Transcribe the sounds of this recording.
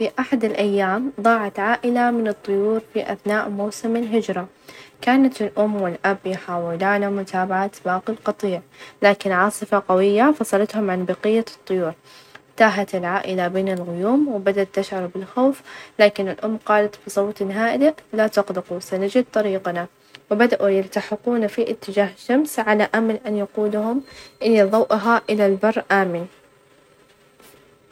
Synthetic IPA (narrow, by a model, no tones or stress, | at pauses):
fiʔaħad̪ɪlʔajːaːmðˤɑːʕɑt̪ʕaːʔɪlamɪnɨt̪ˤːʊjuːɾfiʔa̰θnaːʔmawsɪmɪlɦɪd͡ʒɾˤɑ | kaːnat̪ɪlʔʊmːwɪlʔabjħaːwɪlaːnamʊt̪ʰaːbaʕat̪baːqilqɑt̪ˤiːʕlaːkɪnʕɑːsˤɨfaqawɪjːafɑsˤɑlɑt̪hʊmʕanbɑqɪjːat̪ˤːʊjuːɾ | t̪aːɦat̪ɪlʕaːʔɪlabeːnɪlɣʊjuːmwɪbad̪aʔt̪ːaʃʕɑɾˤbɪlxoːflaːkɪnɪlʔʊmːqɑːlat̪bɨsˤɑwt̪nɦaːʔɪd̪alat̪ʊqd̪ɪqusanad͡ʒɪd̪̚t̪ˤːɑɾiːqna | wɪbad̪aʔujɪlt̪aħɪquːnafiʔɪt̪ːɪd͡ʒaːɦɪʃːamsʕalaʔamalʔanjaquːlɦʊmʔɪlːiðˤɑwʔɦaʔɪlalbɑrˤːʔaːmɪn